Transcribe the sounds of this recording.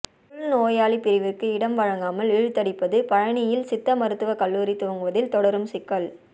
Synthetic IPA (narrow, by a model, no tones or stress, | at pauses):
ʊɭnoːjaːɭipɪɾɪʋɪrkːɯɪɽɐmʋɐɻɐŋɡaːmɐlɪɻɯt̪ːɐɽɪpːɐðɯpɐɻɐɳɪjɪlsɪt̪ːɐmɐɾɯt̪ːɯʋɐkɐlːuːɾit̪ːoːŋɡɯʋɐðɪlt̪ɔɽɐɾɯmsɪkːɐɭ